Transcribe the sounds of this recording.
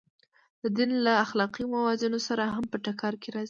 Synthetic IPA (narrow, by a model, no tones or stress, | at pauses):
d̪̥əd̪inlaːxlɑqimawɑzɪnosaɾaɦampəʈakɑɾkeɾɑzi